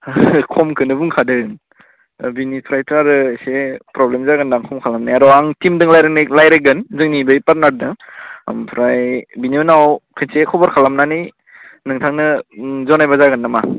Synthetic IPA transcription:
kʰɔmkʰɯnɯbuŋkʰadɯŋ | binipʰɾajtʰaɾɯsepɾɔblemzaɡɯndaŋkʰɔmkʰalamnajadɔaŋtimdɯŋlajɾɯnɯlajɾɯɡɯnzɯŋnibɯjpat̚naɾdɯŋmpʰɾajbiniɯnawkʰɯnsekʰɔbɔɾkʰalamnanɯj | nɯŋtʰaŋnɯzɔnajbazaɡɯnːama

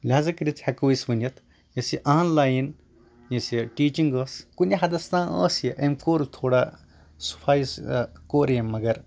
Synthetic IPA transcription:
lʲaːzɐkɐɾit̪ʰhɐkoːisbɨnjɐt̪ʰ | jɐsiʔaːnlaːjin | jɐsiʈiːt͡ʃiŋɡɐːskunʲiɦɐd̪ɐst̪ãːə̰ːsjeʔemkoːɾut̪ʰoːɽaː | su̥pʰaːjiskoːɾjemːɐɡɐɾ

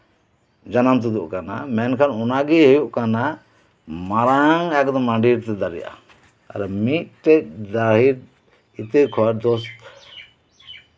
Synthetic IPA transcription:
d͡ʒanamt̪ud̪uʔkana̰mɛnkʰanunaɡiɦujuʔkana | maɾaŋɛkd̪ɔmãɳɖiɾt̪ɛd̪aɾḭja̰ | ɾmit̪̚ʈɛd̪aɦiɾ | it̪eɾkʰɔaɾd̪ɔst̪

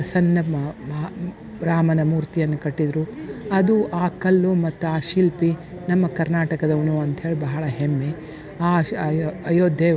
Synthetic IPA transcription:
sɐnːɐ | ɾaːmɐnɐmuːɾt̪ijɐnːɐkɐʈːid̪ɾuɐd̪uʔaːkɐlːumɐt̪ːuaːʃilpi | nɐmːɐkɐɾnaːʈɐkɐd̪ɐunuɐnt̪ɦe̞ːɭibɐɦɐɭɐɦemːe | aː | ɐjoːd̪ʱje

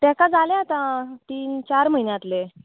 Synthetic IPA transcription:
t̪ɛ̃kad͡zʱalẽat̪ãt̪iːnt͡ɕaɾməɦinjat̪le

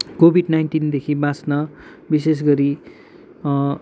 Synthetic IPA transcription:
kobʱiɖnajnʈind̪ekʰibãsnʌ | bis̬es̬ɡʌɾi

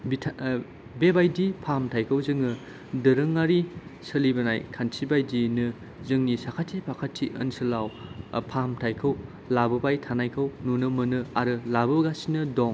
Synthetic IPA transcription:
bitʰ | bebajdipʰamtʰajkʰɐwzɯŋɯ | dɯɾɯŋːaɾisɐlibɐnajkʰansibajdinɯ | zɯŋnisakʰatʰːipʰakʰatʰːiʔɐ̰nsɯlawpʰamtʰajkʰɐw | labɯbajtʰanajkʰɐwnunɯmɯnɯaɾɯlabɯɡasinɯdɔŋ

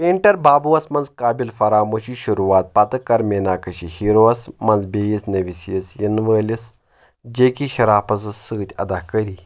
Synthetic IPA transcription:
peːɳʈɐɾbaːbuɐsmɐnzkaːbilfɐɾaːmoːɕiʃuɾuʋaːt̪̚pat̪ɐkːɐɾmeːnaːkɐʃihiɾoːɐsmɐnzbeːjisnɐʋisiɐsjinʋəːlʲis | d͡ʒeːkiɕɐɾaːpɐs̬ɐsɨːt̪ʲɐ̰d̪aːkɐɾiː

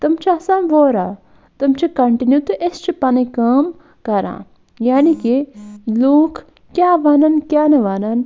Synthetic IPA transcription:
t̪ɐmt͡ʃʰiɐsãːnʋoːɾa | t̪ɐmt͡ʃʰikɐɳʈinjut̪uʔest͡ʃʰipɐnikɐːm | kɐɾã̰ː | jaːnikiloːkʰ | kjaːʋɐnɐnkʲjaːnɐʋanɐn

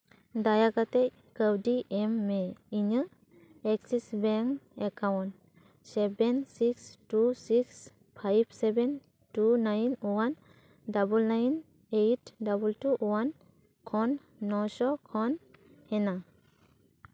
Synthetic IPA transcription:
dajakat̪ɛj | kəwdiʔɛmːɛiɲɯ | ɛksisbɛŋekawnt | sɛbensikstusiks | pʰajb̚sebɛn | tunajnwan | dabulnajn | ejtdabultuʔwan | kʰɔnː | ɔsɔkʰɔn | hɛna

